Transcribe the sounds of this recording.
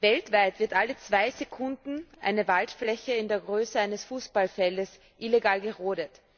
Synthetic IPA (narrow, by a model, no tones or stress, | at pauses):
vɛltv̥aɪtv̥ɪɐtʔalət͡sv̥aɪzekʰʊndn̩ʔa̰ɪnəvaltflɛçəɪndeːɐɡʁøːsəaɪnəsfuːsb̥alfɛldəs | ʔileɡaːlɡəʁoːdət